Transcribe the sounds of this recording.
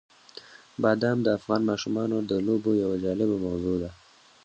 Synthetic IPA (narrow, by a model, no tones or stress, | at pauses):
bɑd̪amd̪əafɣɑːnmɑːʃumɑnod̪əlobojawad͡ʒɑlɪbamawzod̪a